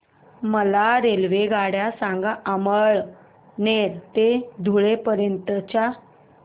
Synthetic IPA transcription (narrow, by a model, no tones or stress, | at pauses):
məlaɾelʋeɡaɽjasãŋɡaʔəməɭ | neɾt̪ed̪ʱuɭepəɾjənt̪ət͡ɕa